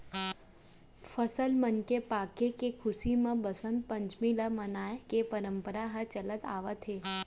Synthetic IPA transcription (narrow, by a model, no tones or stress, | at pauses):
fəsəlmənkepakekekʰʊsimãbəsənt̪̚pəɲt͡ʃmilamənajekepəɾəmpəɾaɦat͡ʃələt̪a̰ʋət̪ʰe